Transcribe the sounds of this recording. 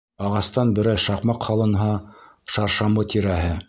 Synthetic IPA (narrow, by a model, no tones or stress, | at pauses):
ɑʁɑst̪ɑnbɘ̆ɾæjʃɑqmɑqhɑlˠɤ̆nɦɑ | ʃɑɾʃɑmɤt̪ʲiɾæɦɘ